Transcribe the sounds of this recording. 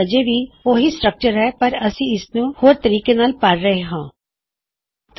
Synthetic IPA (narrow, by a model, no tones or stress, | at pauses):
əd͡ʒebʱioːɦisʈɾək̚t͡ʃəɾɦɛːpɐɾɐsĩɪsnũhoːɾt̪əɾiːkenaːlpaɾɾəɦeɦãː | t̪